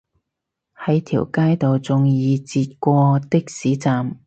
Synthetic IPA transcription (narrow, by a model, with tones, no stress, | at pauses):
hɐ˨˥jt̪ʰḭː˨˩wkaː˥jt̪o˨wt͡sʊ˨˧ŋjiː˨˧t͡siː˧t̪̚kʷɔː˧t̪ɪ˥k̚siː˨˥t͡saː˨m